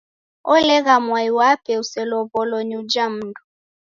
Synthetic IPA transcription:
ɔlɛɣamwaiwapɛusɛlɔβɔlɔɲud͡ʒam̩ndɔ

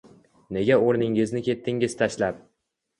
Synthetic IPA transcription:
ne̞ɡʲaoɾnɪŋɪznɪkʲʰe̞t̪ʰːɪŋɪz̥t̪ʰaʃlap̚

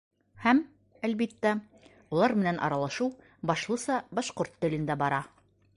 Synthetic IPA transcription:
hæm | ælbit̪ːæ | ulˠɑɾmɘ̆nænʔɒ̰ɾɑlˠɑʃuw | bɒʃlˠɤ̆sɑbɑʃqoɾt̪ːɘ̆lɘ̆nd̪æbɒɾɑ

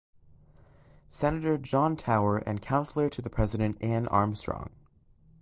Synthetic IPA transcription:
sɛnɨɾə˞d͡ʒɑ̃ntʰaʊə˞ʔɨ̰̃nkʰãʊ̃nsl̩ˠə˞ɾɨðɨpʰɹ̥ɛzɨɾɨ̃ntæ̃nʔɑ̰ɹmstɹ̥ɔ̰̃ŋ

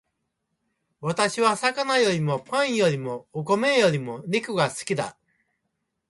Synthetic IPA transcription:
βat̪aɕiβ̞asakanajo̞ɾʲimo̞pãɰ̃jo̞ɾʲimo̞ːkome̞jo̞ɾʲimo̞nʲikɯ̟ɡasɨ̥kʲid̪a̰

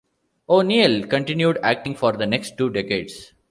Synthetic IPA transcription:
oːnielkə̃ɳʈɪ̃njuɖæk̚ʈɪ̃ŋɡfɔːɾd̪əneksʈːuːɖekḛːɖs

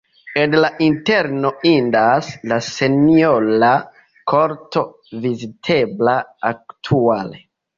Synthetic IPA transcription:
edlaʔinteɾno̞indaslaseniola | kʰo̞ɾto̞ | vizitʰe̞blaaktʰuale

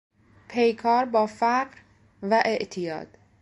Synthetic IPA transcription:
pʰe̞jkʰɒːɾbɒːfæɢɾ | væʔe̞ʔt̪ʰijɒ̰ːd̪̥

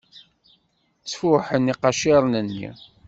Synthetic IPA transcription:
t͡sːfʊħəniqɑʃiɾˤnənːḭ

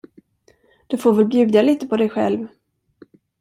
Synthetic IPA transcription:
d̪̥ɵfoːɾvɛlbjʉ̟ːd̪aliːt̪əpʰɔd̪ɛjɧɛ̰lv

